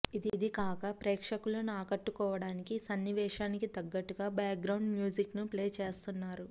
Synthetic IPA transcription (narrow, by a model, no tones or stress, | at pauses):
id̪id̪ikaːkɐpɾeːkʂɐkulɐnuaːkɐʈːukɔːʋɐɽaːnikisɐnːiʋɛːʃaːnikit̪ɐɡːɐʈːuɡaːbaːk̚ɡɾɐwɳɖmjuːd͡ʒiknupleːt͡ʃe̞ːst̪unːaːɾu